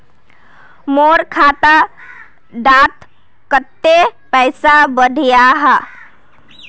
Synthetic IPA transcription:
moːɾkʰaːt̪a | ɖaːt̪ | kət̪ːepɛɪsabəɖʱijaɦə

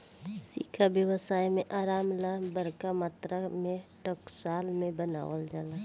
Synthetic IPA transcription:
siːkʰabjəwəsaːjmẽʔaːɾaːmlabəɾkamaːt̪ɾəmẽʈəksaːlmẽbəna̰ːʋəld͡ʒaːla

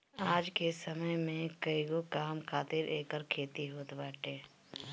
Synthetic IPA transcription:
aːd͡ʒkesəməjmẽkəiɡokaːmkʰaːt̪ɪɾeːkəɾkʰeːt̪iɦoːt̪baːʈeː

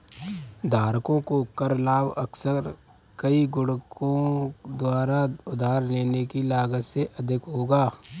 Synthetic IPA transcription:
d̪ʱaːɾkõkokɐɾlaːbəksəɾ | kəiɡʊɽkõd̪waːɾaʊd̪ʱaːɾleːnekilaːɡət̪seʔɐd̪ʱɪkɦoːɡaː

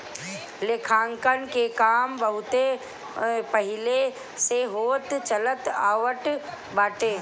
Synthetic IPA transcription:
leːkʰaːŋkənkekaːmbəɦʊt̪e | pəɦɪle | seɦoːt̪t͡ʃələt̪aːʋəʈ | baːʈ̪eː

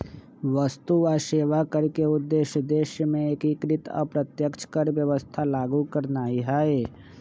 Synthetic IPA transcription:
ʋəst̪uaʃeːʋakəɾkeʊd̪ːeːʃjəd̪eːʃjəmẽekikɾɪt̪ə̰pɾət̪jəkt͡ʃkəɾʋjəʋəst̪ʰalaːɡukəɾnaːiɦaːeː

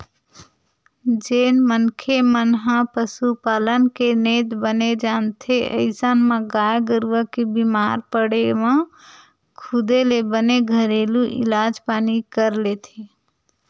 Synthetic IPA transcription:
d͡ʒenmənkʰemənɦãpəsupaːlənkenet̪bəned͡ʒaːnt̪ʰeʔə̰ɪsənmẽɡajɡəɾʋəkebimaɾpəɽemẽ | kʰud̪elebəneɡʱəɾeluʔḭlad͡ʒpaːnikəɾlet̪ʰe

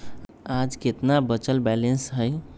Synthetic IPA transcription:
ad͡ʒket̪nabət͡ʃəlbɛlensɦəj

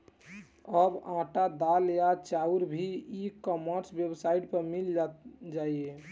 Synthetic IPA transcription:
əbãʈad̪aljat͡ʃauɾbʱiikəməɾsbjəbsaiʈpəɾmild͡ʒat̪̚d͡ʒaie

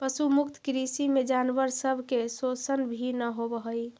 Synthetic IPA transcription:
pəsumukt̪ʰkɾisimed͡ʒanʋəɾsəbʱkesosənbʱinəɦobəɦəj

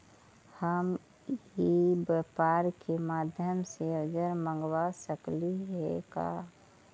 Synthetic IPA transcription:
həm | ɦibəpaːɾkemaːd̪ʱjəmseəd͡ʒəɾmə̃ŋɡwasəkliɦɛka̰

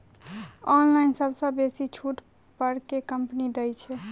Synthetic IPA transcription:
ɔnlaɪnsəbsə̃besit͡ʃʰuʈ | pəɾkekəmpnid̪əjt͡ʃʰɛ

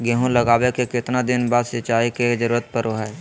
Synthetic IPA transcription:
ɡeɦõləɡaːwekekɪt̪nad̪ɪnbaːd̪sɪt͡ʃaːiked͡ʒəɾuːɾət̪̚pəɾoɦɛ

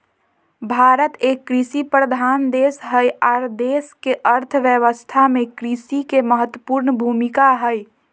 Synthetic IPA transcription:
bʱaːɾət̪ekːɾisipɾəd̪ʱaːnd̪eːsɦəjaːɾd̪eːskeʔəɾt̪ʰəʋjəʋəst̪ʰamẽkɾisikeməɦət̪wəpuːɾnbʱumikaɦəj

